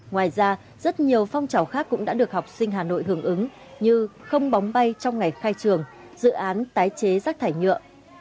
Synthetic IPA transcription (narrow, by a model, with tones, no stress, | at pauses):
ŋwaː˨˩jzaː˧ | z̥ə˦˥t̚ɲi˨˩əwfɔ˧wŋ͡mt͡ɕa˧˩wxaː˦˥kːʊ̰˧˥ŋ͡mɗa̰ː˧˥ɗɨ˨˩ək̚ha˨˩wk͡p̚sï˧ŋ̟ɦaː˨˩no̰˧˨jɦɨ˧˩əŋʔɨ˨˦ŋ | ɲɨ˧xə˧wŋ͡mɓa˨˦wŋ͡mɓa˧jt͡ɕɔ˧wŋ͡mŋa˨˩jxaː˧jt͡ɕɨ˨˩əŋ | z̥ɨ̰˧˨ʔaː˨˦nt̪aː˨˦jt͡ɕe˨˦zaː˦˥k̚t̪ʰaː˧˩jɲɨ̰˧˨əʔ